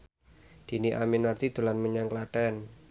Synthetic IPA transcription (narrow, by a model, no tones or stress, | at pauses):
d̪̥i̤niʔaminːart̪id̪̥ṳlanməɲaŋklaʈɛn